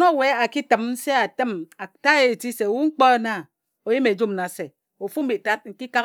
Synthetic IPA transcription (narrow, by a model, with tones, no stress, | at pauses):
no˦˨we˦a˨ki˦tɨ˨mn̩˦se˦a˨tɨ˦ma˨ta˦e˨ti˦se˨wu˦ŋ͡m̩˦k͡pɔ˦na˨ | o˨ji˦me˨d͡ʒu˦m˨na˨se˨ | o˨fu˦m̩˦bi˨ta˦t̚ŋ̩˦ki˦ka˦